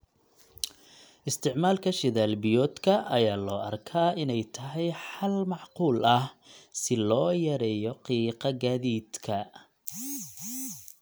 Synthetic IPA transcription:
ʔɪst̪ʰɪʕmaːlkʰɐʃɪðaːlbɪjɔːd̪kʰɐʔɐjaːlɔːɐrkʰaːʔɪnɛjt̪ʰɐɦɛjħɐlmɑʕquːlɐhsɪlɔːjɐɾɛjɔqiːqɑɡaːðiːd̪̥kʰɐ

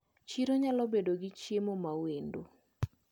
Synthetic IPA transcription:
t͡ʃiɾoɲalɔbedoɡɪt͡ʃjemomawendo

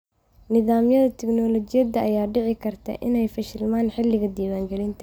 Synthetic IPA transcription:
nɪðaːmjɐðɐt̪ʰɛɡnɔːlɔt͡ʃɪjɐdɐʔɐjaːɖɪʕɪkʰɐrt̪ʰɐ̰ʔɪnɛjfɐʃɪlmaːnħɪlːɪɣɐd̪iːwaːŋɡɛlɪnt̪ʰɐ

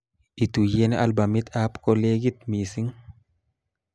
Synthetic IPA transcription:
it̪ujenʔalbamit̪ʰapkoleɡit̪misiŋ

